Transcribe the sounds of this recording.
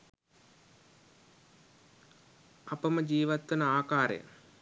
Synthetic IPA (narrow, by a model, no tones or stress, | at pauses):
ɐpəməd͡ʒiːʋat̪ʋɐnəaːkaːɾḛjə̰